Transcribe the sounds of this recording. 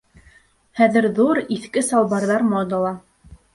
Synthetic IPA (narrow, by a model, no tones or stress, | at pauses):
χæðɘ̆ɾðuɾiθkɘsɑlˠbɑɾðɑɾmod̪ɑlˠɑ